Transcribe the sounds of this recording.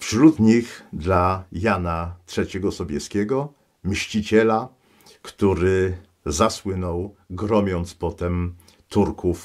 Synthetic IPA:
fʂɾut̪ɲixd̪lajanatʂɛt͡ɕɛɡɔsɔbʲjɛskʲɛɡɔ | mɕt͡ɕit͡ɕɛla | kt̪uɾɘ | zaswɘnɔwɡɾɔmʲjɔnt̪spɔt̪ɛm | t̪uɾkʰuf

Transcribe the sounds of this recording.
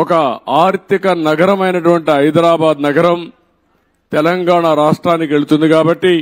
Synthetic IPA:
ɔkɐaːɾt̪ikɐnɐɡɐɾɐmɐjnɐʈuʋɐɳʈiɦɐjd̪ɾaːbaːd̪nɐɡɐɾɐm | t̪ɛlɐŋɡaːɳɐɾaːʂʈɾaːnːikieɭut̪und̪ikaːbɐʈːi

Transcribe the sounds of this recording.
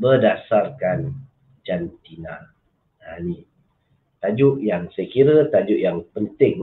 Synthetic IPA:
bərdasarkan | d͡ʒant̪inã | ani | t̪ad͡ʒʊʔjaŋsəkiɾət̪ad͡ʒʊʔjaŋpənt̪ɪŋ

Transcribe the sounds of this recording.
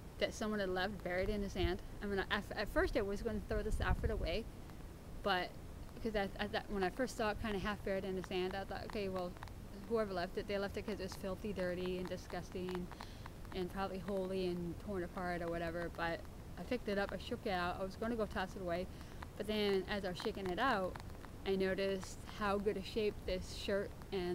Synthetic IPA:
ðɨtsʌ̃mwʌ̃nɨdˡlɛft̚b̥ɛɹiɾɨ̃nɨsæ̃nd̥aɪmĩnaɪʔaɪfɨtfɜ˞staɪwʌzɡoʊɪ̃ŋtʰɨθɹoʊðɨsa̰ʊfɨɾəweɪ | b̥ʌt̚ | kʰʌzɨaðɨʔwə̃ñaɪfɜ˞stsɔt̚kʰãɪ̃ndɨɦæfb̥ɛɹiɾɨ̃nɨsæ̃ndaɪθɔ̰ɪɾʔo̰ʊkʰeɪwɛlˠ | huɛvə˞lɛftɨt̪̚ðeɪlɛftɨt̚kʰʌzɨt̚wʌz̥fɪlˠθidɜ˞ɾiɨ̃ndɨskʌstɪ̃ŋ̃ | ʔɨ̃npʰɹ̥ɑbəbliɦoʊlˠiɨ̃ntʰɔɹnɨpʰɑɹɨɾə˞wʌɾɛvə˞b̥ʌɾ | aɪpʰɪk̚tɨɾʌpaɪʃʊkɨɾaʊta̰ɪwʌzɡoʊ̃ŋtɨɡoʊtʰɑsɨɾəweɪ | b̥ʌt̪̚ðɨ̃nɨzaɪwʌz̥ʃeɪkɪ̃ŋɨɾaʊt | ʔaɪnoʊɾɨst̚haʊɡʊd̚ɨʃeɪp̚ðɪsʃɜ˞ɾ | ɨ̃

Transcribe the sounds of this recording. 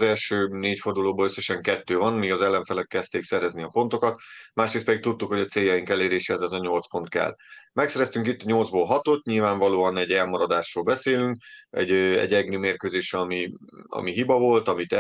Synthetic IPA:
zɛlʃøːneːcfo̞rd̪uloːboløsːɛʃɛŋkɛt̪ːøːvɒnmiːɡɒzɛlːɛɱfɛlɛkːɛst̪eːksɛɾɛzniɒpo̞nt̪o̞kɒt̪maːʃɾeːst̪pɛd̪ik̚t̪ut̪ːukho̞ɟɒt̪seːjːɒjiŋkɛleːɾeːʃɛɛzɛzɒɲo̞lt̪spo̞nt̪kɛ̰lːmɛksɛɾɛst̪yŋkit̪ːɒɲo̞ld̪zboːlɦɒt̪o̞t̪ɲilvaːɱvɒloːɒnɛɟɛlmɒɾɒd̪aːʃroːlbɛseːlyŋkɛ̰ɟɛ̰ɟɛɡnymeːrkøːzeːʃrɛɒmiɒ̰miɦibɒvo̞lt̪ɒmit̪ɛ

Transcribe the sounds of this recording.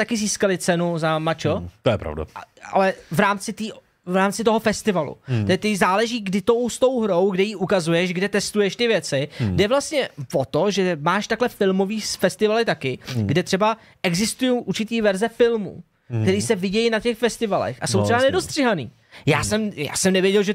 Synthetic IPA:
t̪akɪziːskalɪt͡sɛnuzamat͡ʃot̪ojɛpɾa̰vda̰a̰lɛvɾaːmt͡sɪt̪iːʔ | vɾaːmt͡sɪt̪oɦofɛst̪ɪvalṵt̪ɛt̪ɪzaːlɛʒiːɡdɪt̪o̞wst̪o̞wɦɾo̞wɡdɛjiːʔukazujɛʃɡdɛt̪ɛst̪ujɛʃt̪ɪvjɛt͡sɪdɛvlast̪ɲɛvot̪o̞ʒɛmaːʃt̪aklɛfɪlmo̞viːsfɛst̪ɪvalɪt̪akɪɡdɛt̪r̝̥ɛba | ʔɛɡzɪst̪ujowʔuɾt͡ʃɪt̪iːvɛɾzɛfɪlmṵ | kt̪ɛɾiːsɛvɪɟɛjnacɛxfɛst̪ɪvalɛ̰xʔasoww̪rɛbanɛdost̪r̥ɪɦanḭː | jaːsɛmja̰ːsɛmnɛvjɛɟɛlʒɛ

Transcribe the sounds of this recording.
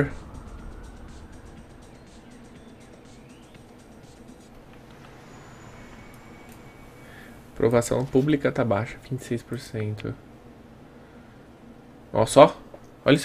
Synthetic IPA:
ɾ | pɾʔovasɐ̰̃w̃publikɐt̪abaʃɐvĩnt͡ʃɪ̥sejspoɾsẽnt̪ʰʊ̰ | ɔ̰sɔ | ɔʎɐs

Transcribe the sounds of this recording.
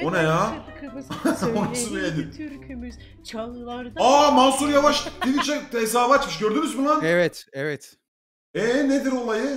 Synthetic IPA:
onaja | onasɯvejed̪im | amansuɾjavaʃd̪ivʲit͡ʃʰɛt̪ɛsaːvat͡ʃmɯʃɟøɾd̪ynyzbunaɛvɛt̪ɛvɛt̪ | ɛned̪iɾo̞lˠajɯ

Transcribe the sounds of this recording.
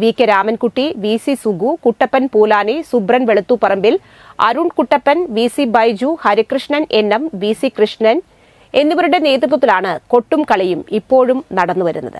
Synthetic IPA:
ʋiːkʲːɐɾaːmɐnkuʈːiʋiːsisuɡukuʈːɐpːɐnpuːlaːnisubrɐnʋe̞ɭut̪ːupɐrɐmbil | ɐ̰ɾuɳkuʈːɐpːɐnʋiːsibɐjd͡ʑuhɐɾikrɨʂɳɐne̞nːɐmʋiːsikrɨʂɳɐn | e̞nːiʋɐɾuɽe̞ne̞ːt̪rut̪ːɐt̪ːilaːɳɨko̞ʈːumkɐɭɐjumipːo̞ːɻumnɐɽɐnːuʋɐɾṵnːɐ̰ðɨ̰

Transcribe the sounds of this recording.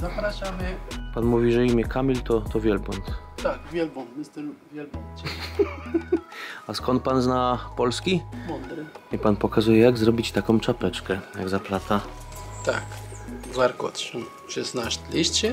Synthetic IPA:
zapɾaʃamɘpanmuvʲiʐɛimʲjɛkʰamʲilt̪ɔt̪ɔvʲjɛlbɔnt̪ | t̪akvʲjɛlbɔnt̪mɪst̪ɛlvʲjɛlbɔnt͡ɕɛ | askɔnt̪̚panznapɔlskʲimɔnd̪ɾɪipanpɔkazujɛjaɡzɾɔbʲit͡ɕt̪akɔ̃w̃t͡ʂapɛt͡ʂkɛja̰ɡzaplat̪a | t̪a̰kzaɾkɔt̪ʂɛ | ʃɛsnaʃt̪lʲiɕt͡ɕɛ

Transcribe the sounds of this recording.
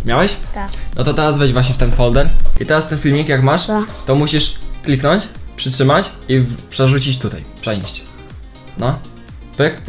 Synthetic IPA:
mjawɛɕnɔt̪ɔt̪ɛɾazvɛd͡ʑvwaɕ̬ɲɛft̪ɛnfɔld̪ɛɾḭt̪ɛɾast̪ɛnfʲilmʲikjakmaʂt̪ɔmuɕiʂklʲiknɔɲt͡ɕpʂɘtʂɘmat͡ɕ | ipʂɛʐut͡ɕit͡ɕt̪ut̪a̰jpʂɛjɕt͡ɕ | nɔ | pɘk

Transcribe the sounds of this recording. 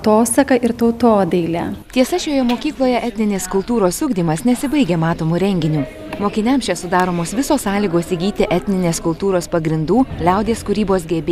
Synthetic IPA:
t̪oːsɐkɐʔɪɾt̪ɐʊt̪oːd̪ɐɪlʲɛ̰t̪ʲiɛsɐʃʲoːjɛmoːkʲiːklˠoːjɛʔɛt̪ʲnʲɪnʲeːskʊlˠt̪uːɾoːsʲʊɡd̪ʲiːmɐsnʲɛsʲɪbɐɪɡʲeːmɑːt̪oːmuːɾʲɛŋʲɡʲɪnʲuː | moːkʲɪnʲɛmʃʲɛsʊd̪ɑːɾoːmoːsʋʲɪsoːssɑːlʲiːɡoːsiɡʲiːt̪ʲɪʔɛt̪ʲnʲɪnʲeːskʊlˠt̪uːɾoːspɐɡɾʲɪnd̪uːlʲɛʊd̪ʲeːskʊɾʲiːboːsɡʲɛbʲe

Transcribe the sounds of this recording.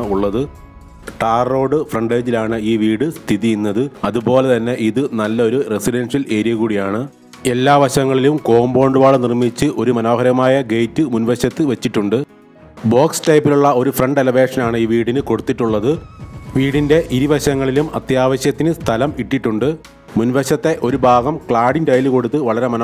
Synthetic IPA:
uɭːɐðɨ | ʈaːrro̞ːɽɨfrɐɳɖeːd͡ʑilaːɳɨiːʋiːɽɨst̪ʰiðijinːɐðɨɐðubo̞ːle̞t̪ɐnːe̞ʔiðɨnɐlːɐo̞ɾuresiɖɐnʂɐle̞ːɾijɐɣuːɽijaːɳɨ | e̞lːaːʋɐɕɐŋːɐɭilumko̞ːmbo̞ːɳɖuʋaːɭɨnirmit͡ɕːɨʔo̞ɾumɐno̞ːɦɐɾɐmaːjɐɡejtːɨmunʋɐɕjɐt̪ːɨʋet͡ɕːiʈːuɳɖɨ | bo̞ːksʈɐjpːiluɭːɐo̞ɾufrɐɳɖelɐʋe̞ːʂɐnaːɳɨiːʋiːɽinɨko̞ɽut̪ːiʈːuɭːɐðɨʋiːɽinde̞ʔiɾiʋɐɕɐŋːɐɭilumɐt̪jaːʋɐɕjɐt̪ːinɨst̪ʰɐlɐmiʈːiʈːuɳɖɨ | munʋɐɕɐt̪ːe̞ʔo̞ɾubʱaːɡɐmkɭaːɖindɐjlɨko̞ɽut̪ːɨʋɐɭɐɾe̞mɐn

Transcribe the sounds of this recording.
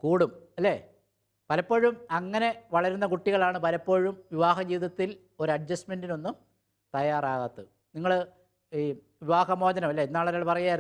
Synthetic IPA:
kuːɽumɐlːe̞ː | pɐlɐpːo̞ːɻumɐŋːɐne̞ʋɐɭɐɾunːɐkuʈːiɣɐɭaːɳɨpɐlɐpːo̞ːɻumʋiʋaːɦɐd͡ʑiːðɐt̪ːil | oɾuɐɖ̚d͡ʑɐsme̞ndino̞nːum | t̪ɐjaːraːɣɐt̪ːɨ | niŋːɐɭ | ʋiʋaːɦɐmo̞ːd͡ʑɐnɐmɐlːeenːaːɭɐɾaːɭpɐrɐjaːjɾ

